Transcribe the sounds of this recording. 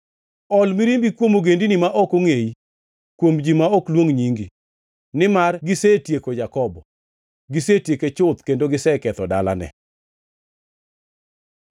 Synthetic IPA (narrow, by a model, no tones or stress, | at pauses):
ɔlmiɾimbikwomoɡendinɪmaʔɔkoŋei | kwomd͡ʒimaɔklwoŋɲiŋɡi | nɪmarɡɪsetjekod͡ʒakɔbɔ | ɡɪsetjeket͡ʃʊt̪kendoɡɪsɛkɛt̪ɔdala̰nɛ̰